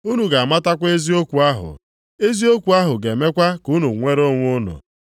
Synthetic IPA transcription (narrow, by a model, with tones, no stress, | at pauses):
u˦nu˨ɡa˨a˨ma˦ta˦kʷe˦zi˦o˦kʷu˨a˦ɦʊ̰˨ | e˦zi˦o˦kʷu˨a˦ɦʊ˨ɡe˨me˦kʷa˦kʊ˦nu˨ŋʷe˦ɾo˦ŋʷ˦ʊ˦nɔ̰˨